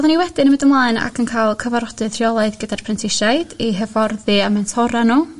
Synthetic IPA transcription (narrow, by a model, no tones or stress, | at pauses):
ɔðˠaniwɛdɨnəmɪdəmlˠaːɨna̰kʰənkʰaːlˠkʰəvaɾɔdɨðr̥iɔlˠaɨðɡədarpʰrɛntʰɪʃajd̥iɦəvɔrðɨamɛntʰɔɾanuː